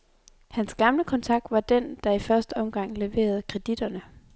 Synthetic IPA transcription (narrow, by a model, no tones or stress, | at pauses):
hænsɡ̥ɑ̈mləkʰɒ̽nt͡sʰɑ̈ɡ̥̚d̥ʋɑ̈d̥end̥ɑ̈ifɶɐsd̥əɒ̽mɡ̥ɑ̈ŋ̰le̝ʋe̝̰ːɐð̞̩ˠkʰʁɛd̥id̥ɐnə